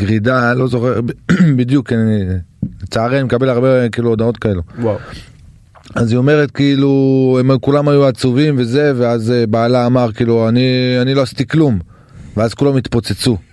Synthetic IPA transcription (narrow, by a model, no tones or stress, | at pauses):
ɡʁidalo̞zo̞χeʁbid̪jukailet͡saaʁeanimekabelaʁbekiːluodao̞t̪kae̞luw | azio̞me̞ʁet̪kiiluemkulamajuat͡suvimve̞ze̞veazbaːlaːmaʁkiːluanianilo̞asit̪iklum | veazkulamit̪po̞t͡set͡su